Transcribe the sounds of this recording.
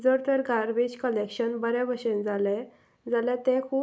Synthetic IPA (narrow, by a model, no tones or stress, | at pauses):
d͡zəɾt̪əɾɡʱaɾʋed͡ʑkəlekɕənbəɾɛbəɕend͡zalɛ̃ | d͡zalɛt̪ɛ̃kʰuː